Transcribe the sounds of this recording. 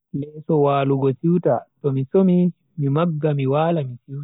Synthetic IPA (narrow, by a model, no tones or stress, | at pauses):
lɛsɔwaːluɡɔsiwta̰tɔmisomi | mimaɡːamiwaːlamisiwta